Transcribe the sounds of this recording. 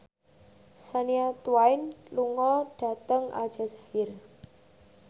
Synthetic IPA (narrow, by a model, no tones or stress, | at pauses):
saniat̪uwaɪnluŋɔɖ̥a̤t̪əŋʔa̰lʒ̥a̤sḁhɪr